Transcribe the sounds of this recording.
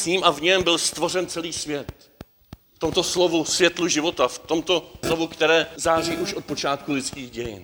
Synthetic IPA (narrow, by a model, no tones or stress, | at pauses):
sɲiːmʔavɲɛmbɪlst̪vo̞rɛnt͡sɛliːsvjɛt̪̚ | ft̪o̞mt̪o̞slovusvjɛt̪luʒɪvo̞t̪aft̪o̞mt̪o̞slo̞vukt̪ɛɾɛːzaːr̝iːʔuʃʔo̞t̪̚po̞t͡ʃaːt̪kulɪt͡skiːɣɟɛjɪ̰n